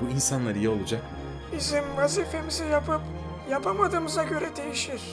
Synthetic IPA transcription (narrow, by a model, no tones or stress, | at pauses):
buinsanlˠaɾijɛo̞lˠud͡ʒak | bizimvaziːfe̞mizijapɯp | japʰamad̪ɯːmɯzaɟø̞ɾɛd̪e̞jiʃiɾ̥